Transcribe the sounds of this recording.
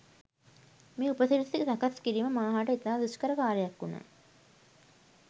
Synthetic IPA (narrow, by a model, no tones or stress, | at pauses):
miːupɐsiɾsikt̪ɐkɐskiɾimɐmaːɦaʈɐit̪aːd̪uskɐɾɐkaːɾɐjɐkːuna̰